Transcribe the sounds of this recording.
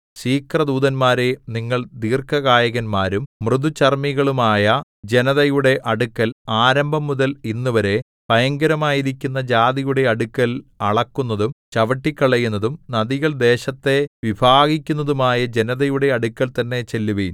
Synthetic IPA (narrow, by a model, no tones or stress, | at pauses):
ɕiːkrɐd̪uːðɐnmaːɾeniŋːɐɭd̪iːrkɐɣaːjɐɣɐnmaːɾummrɨd̪ut͡ɕɐrmiɣɐɭumaːjɐ | d͡ʑe̞nɐðɐjuɽe̞ʔɐɽukːɐlaːɾɐmbʱɐmːuðɐlinːuʋɐɾe̞ | pɐjɐŋɡɐɾɐmaːjiɾikʲːunːɐd͡ʑaːd̪ijuɽe̞ɐɽukːɐlɐɭɐkːunːɐðumt͡ɕɐʋɐʈːikʲːɐɭɐjunːɐðumnɐðiɣɐɭd̪e̞ːɕɐt̪ːe̞ʋibʱaːɣikʲːunːɐðumaːjɐd͡ʑe̞nɐðɐjuɽe̞ɐɽukːɐlt̪ɐnːe̞t͡ɕelːuʋiːn